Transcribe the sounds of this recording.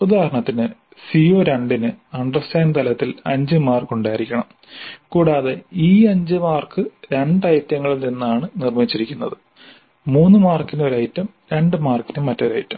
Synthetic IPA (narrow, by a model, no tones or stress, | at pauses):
ud̪ʱaːɾɐɳɐt̪ːinɨ | sio̞ːɾeɳɖinɨɐɳɖrɐstaːnt̪ɐlɐt̪ːilɐ̰ɲd͡ʑɨmaːrkuɳɖaːiɾikʲːɐɳɐm | kuːɽaːðe̞iːɐɲd͡ʑɨmaːrkɨɾe̞ɳɖɐjɐt̪jɐŋːɐɭilninːaːɳɨnirmit͡ɕːiɾikʲːunːɐðɨ | muːnːɨmaːrkːinoɾɐːjitːɐm | ɾe̞ɳɖɨmaːrkːinɨmːɐtːoɾa̰ːjitːɐm